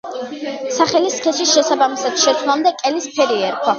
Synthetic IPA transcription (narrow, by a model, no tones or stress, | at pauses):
saχɛliskʰɛsisʃɛsabamisad̪ʃɛt̪sʰwlamd̪ɛkʼɛlispʰɛɾiɛɾkʰwa